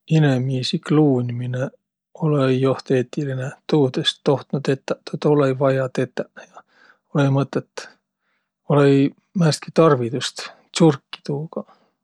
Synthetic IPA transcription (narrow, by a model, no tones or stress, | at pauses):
inemiːsikluːnʲimine | oleijoht̪eːt̪ʲːilinet̪uːd̪est̪ːoht̪nut̪et̪ːæt̪ot̪oleivɑjɑt̪et̪ːæjɑ | oleimɤt̪ːˑet̪ː | olei | mæːst̪̚kit̪ɑrvit̪ust̪ | surkːi̥t̪uːkɑ